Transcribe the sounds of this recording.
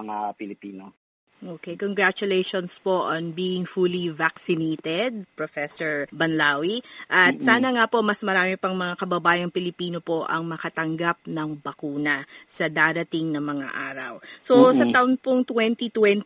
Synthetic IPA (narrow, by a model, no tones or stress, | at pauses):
ŋapɪlɪpiːno | ʔokejkoŋɡɹat͡ʃʊlejʃonspoʔɐnbiːɪŋfulivaksɪnejt̪ɛd̪̚pɾofɛsoɹbɐnlaːwiʔɐt̪̚saːnɐŋapo̞mɐsmɐɾaːmɪpɐŋmɐŋakɐbɐbaːjɐŋpɪlɪpiːno̞po̞ʔɐ̰ŋmɐkɐt̪ɐŋɡap̚nɐŋbɐkuːnɐsɐd̪aːd̪ɐt̪iŋnɐŋmɐŋa̰ʔaːɾɐ̰wsosɐt̪ɐʔʊnpoŋt̪wɛnt̪it̪wɛn